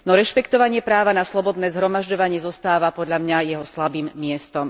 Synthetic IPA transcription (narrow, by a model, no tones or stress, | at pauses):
nɔɾɛʃpɛkt̪ɔʋaɲɪɛpɾaːʋanaslˠɔbɔd̪nɛːzɦɾɔmaʒɟɔʋaɲɪɛzɔst̪aːʋapɔd̪ʎamɲajɛɦɔslabiːmːɪɛst̪ɔm